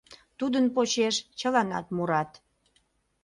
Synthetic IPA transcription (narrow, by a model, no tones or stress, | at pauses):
t̪ud̪ənpot͡ɕeʃt͡ɕəlɑnɑ̰t̪muɾɑt̪